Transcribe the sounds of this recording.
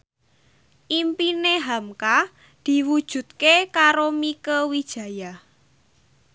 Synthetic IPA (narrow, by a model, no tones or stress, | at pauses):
ʔimpineɦamka | d̪̥i̤wud̥ʒ̥ṳt̪̚kekaɾomikəwid̥ʒ̥ä̤ja